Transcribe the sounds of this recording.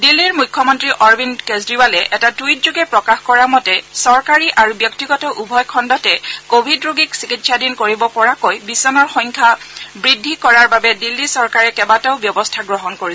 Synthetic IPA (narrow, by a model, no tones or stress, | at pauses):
dilːiɹmujkʰːɔmɔntɹiʔɔɹbinkezɹiwalɛʔɛtatujtzuɡɛpɹɔkaxkɔɹamɔtɛsɔɹkaɹiʔaɹubjɔktiɡɔtɔʔubʱɔjkʰɔndɔtɛkobʱidɹoɡiksikitsadinkoɹibɔpɔɹakojbisɔnɔɹxɔ̃jŋkʰabɹidʱːikɔɹaɹbabɛdilːisɔɹkaɹɛkɛbataʊbjɔbɔstʰaɡɹɔɦɔnkoɹisɛ